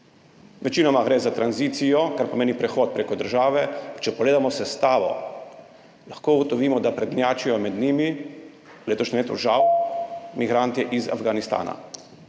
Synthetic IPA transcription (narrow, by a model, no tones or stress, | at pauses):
ʋɛt͡ʃiːnɔmaɡɾɛːzat̪ɾanziːt̪sijɔkaɾpɔmeːnipɾɛxoːt̪̚pɾeːkɔd̪əɾʒaːʋɛt͡ʃɛpɔɡleːd̪amɔsɛst̪aːʋɔ̰ | laxkoːuɡɔt̪ɔʋiːmɔd̪apɾɛd̪njaːt͡ʃijɔmɛd̪niːmi | leːt̪ɔʃnʲɛmleːt̪ṵʒawmiɡɾaːnt̪ɛʔiza̰vɡanist̪a̰ːna̰